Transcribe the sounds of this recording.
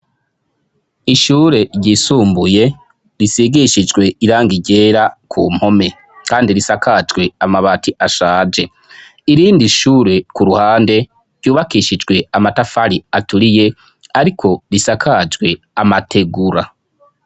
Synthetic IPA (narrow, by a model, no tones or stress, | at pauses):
iʃuːɾe̞ɾɟisuːmbuje̞ | ɾisiɡiʃid͡ʒɡwe̞iɾaːŋɡiɟe̞ːɾakʰṵːm̥ho̞me̞ | kaːndiɾisakad͡ʒɡwe̞amaβaːtʰiʔaʃaːd͡ʒe̞ | iɾiːndiʃuːɾe̞kuɾuhaːnde̞ | ɾɟjuːβakiʃid͡ʒɡwe̞amatafaɾiatuɾije̞ | aɾikʰo̞ɾisakʰad͡ʒɡwe̞ | amatʰe̞ɡuɾa